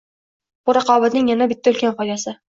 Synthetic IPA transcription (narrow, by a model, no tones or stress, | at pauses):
b̥uɾɑqɒːbat̪nɪŋjanabɪt̪ʰːaɵlkʲanfɒjd̪asɪ